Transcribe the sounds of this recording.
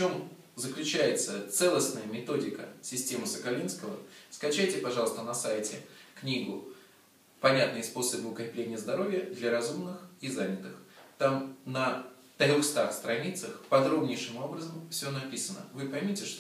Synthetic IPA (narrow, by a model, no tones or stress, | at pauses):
ft͡ɕo̞m | zəklʲʉt͡ɕæjɪt̪sət̪sɛlˠəsnəjəmʲɪt̪o̞dʲɪkəsʲɪsʲtʲe̞mɨsəkɐlʲinskəvəskɐt͡ɕæjtʲɪpɐʐɑlˠəst̪ənɐsajtʲɪknʲiɡʊ | pɐnʲat̪nɨjspo̞səbɨʊkɐɾʲɪplʲenʲɪjəzd̪ɐɾo̞vʲjəd̪lʲɐɾɐzumnɨxizanʲɪt̪ɨxt̪amnə | t̪ɾʲoxst̪axst̪ɾɐnʲit̪səxpɐd̪ɾo̞bnʲɪjʂɨmo̞bɾəzəmfsʲonɐpʲisənə̰vɨpɐjmʲitʲɪʂt̪